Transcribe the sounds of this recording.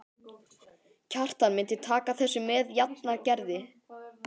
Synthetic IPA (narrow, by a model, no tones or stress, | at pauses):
cʰar̥t̪anmɪnt̪ɪt̪ʰaːkaθɛsːʏmɛðjat̪naɾcɛɾðɪ